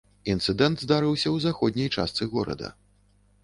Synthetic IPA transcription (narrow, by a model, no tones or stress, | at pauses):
int̪sɨd̪ɛnd̪zd̪aɾɨwsʲɐwzaxɔd̪ʲnʲɐjt͡ʂa̰st̪sɨɣɔɾɐ̰d̪ɐ̰